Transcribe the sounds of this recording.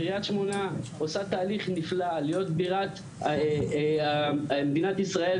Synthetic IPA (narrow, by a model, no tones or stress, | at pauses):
ʁiat̪ʃmo̞naosat̪aːliχniflalijo̞t̪biʁat̪ | med̪inat̪isʁae